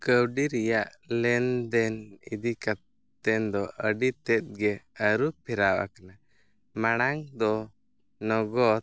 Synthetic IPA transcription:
kəwɖiɾɛjaʔ | lɛnd̪ɛnḭd̪ika | ɛnd̪ɔʔəɖit̪ɛt̪̚ɡɛəɾupʰiɾawa̰kana | maɽ̃aŋd̪ɔ | nɔɡɔt̪̚

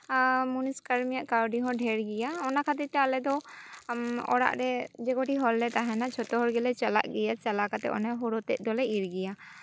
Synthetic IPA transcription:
muniskaɾmijaʔkawɖiɦɔ̃ɖʱɛɾɡɛjaɔnakʰat̪iɾt̪ɛalɛd̪ɔ | ɔ̰ɽa̰ʔɾɛd͡ʒɛkɔʈiɦɔlːɛt̪aɦɛnat͡ʃʰɔt̪ɔɦɔɾɡɛlɛt͡ʃala̰ʔɡɛjat͡ʃalakat̪ɛ̰ʔɔ̰nɛɦɔɾɔt̪ɛt̚ˀd̪ɔlɛiɾɡɛja

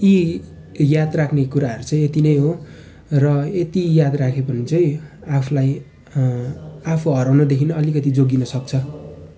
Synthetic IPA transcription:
i | jad̪rakʰnekuɾaɦʌɾut͡sʌĩet̪inʌjɦo | rʌet̪ijad̪rakʰepʌnit͡sʌĩ | apʰlaj | apʰuɦʌɾawnʌd̪ekʰinʌʌlikʌt̪id͡zoɡinʌsʌk̚t͡sʰʌ

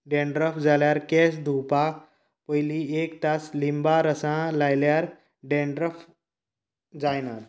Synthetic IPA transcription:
ɖẽɳɖɾəfd͡zaljaɾkɛsd̪ʱupa | pəjliekt̪aslimbaɾəsãlajljaɾ | ɖẽɳɖɾəf | d͡zajnaɾ

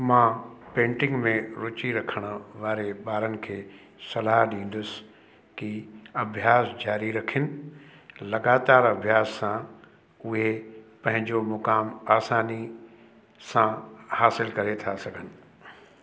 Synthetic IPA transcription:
mãːpẽːʈɪ̃ŋɡmẽɾʊt͡ɕiɾɐkʰəɽ̃ʊ̆ʋaːɾeɓaːɾənɪ̆kʰeː | sɐlaːɦɗĩːn̆d̪ʊs | kiɐbʱjaːsd͡ʑaːɾiɾɐkʰɪnɪ̆ | lɐɡaːt̪aːɾɐbʱjaːssã | ʊɦepɐ̃ɦɪ̃ɲd͡ʑomʊkaːmaːsaːni | sãhaːsɪlkɐɾet̪ʰasɐɡʱənɪ̆

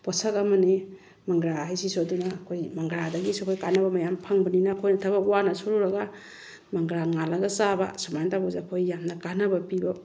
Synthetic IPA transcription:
pɔsɐkɐmɐni | mɐŋɡɾaɦajsisodunakʰojmɐŋɡɾadɐɡisokʰojkanɐbɐmajampʰaŋbɐninakʰojnɐtʰabawanɐsoɾuɾɐɡa | mɐŋɡɾaŋalɐɡɐsaba̰samajntabozekʰojːamnɐkanɐbɐpibɐ

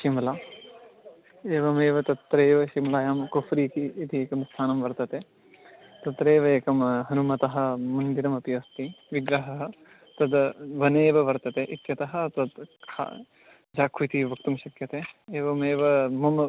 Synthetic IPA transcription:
ʃimɐlaː | eːʋɐmeːʋɐt̪ɐt̪ɾeːʋɐʃimlaːjaːmkofɾiːkiːt̪ieːkɐmst̪ʰaːnɐmʋɐɾt̪ɐt̪eː | t̪ɐt̪ɾeːʋɐeːkɐmɦɐɾumɐt̪ɐɦɐ̆mɐnd̪iɾɐmɐpijɐst̪iʋiɡɾɐɦɐɦɐ̆ | t̪ɐd̪ʋɐneːʋɐʋɐɾt̪ɐt̪eːʔit̪jɐt̪ɐɦɐ̆t̪ɐd̪kkʰa̰ | d͡ʒaːkʰuit̪iʋɐk̚t̪umʃɐkjɐt̪eːeːʋɐmeːʋɐmɐm

